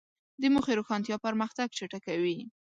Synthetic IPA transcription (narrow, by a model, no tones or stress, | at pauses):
d̪əmuxeɾoxɑnt̪jɑpaɾmaxt̪aɡ̚t͡ʃaʈakawi